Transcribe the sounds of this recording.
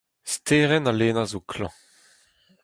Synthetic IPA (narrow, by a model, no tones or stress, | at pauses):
steːʁɛnaleːnazokʰlɑ̰̃